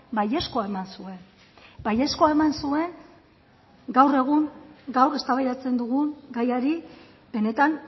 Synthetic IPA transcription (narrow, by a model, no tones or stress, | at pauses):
baje̞sko̞ae̞mansue̞n | baje̞sko̞ae̞mansue̞ŋ | ɡawre̞ɣ̞uŋɡawre̞st̪aβajɾat͡se̞nd̪uɣuŋɡajaɾi | be̞ne̞t̪an